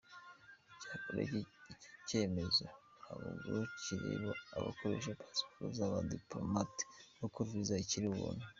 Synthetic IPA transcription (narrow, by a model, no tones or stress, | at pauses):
icakoɾḛice̞ːme̞zo | aβuɡuciɾḛβoa̰βa̰kʰoɾe̞ʃ̬apʰḁsi̥poɾuzaβadiplomati̥nokuɾvizaiciɾiβṵːne